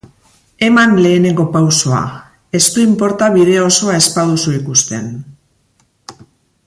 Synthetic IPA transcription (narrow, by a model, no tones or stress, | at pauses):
e̞manle̞ːne̞ŋɡo̞pawso̞a̰ | e̞st̪uimpo̞ɾt̪aβiðe̞o̞so̞ae̞spaðusuikust̪e̞n